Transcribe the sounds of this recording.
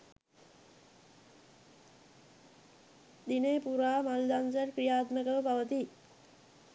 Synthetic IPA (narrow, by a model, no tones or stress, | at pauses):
d̪ineːpuɾaːmald̪ansərkɾijaːt̪məkəʋəpaʋət̪i